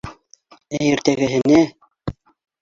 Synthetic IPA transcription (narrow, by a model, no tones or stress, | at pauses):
æjɘ̆ɾt̪æɡɘ̆ɦɘ̆nɘ